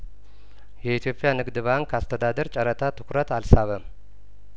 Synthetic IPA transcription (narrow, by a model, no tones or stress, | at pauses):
jɛit̪ʰijo̞pʼjanɨɡd̪ɨβaŋkʰast̪ʰəd̪ad̪əɾt͡ʃʼəɾət̪ʰat̪ʰɨ̥kʰɾət̪alsaβə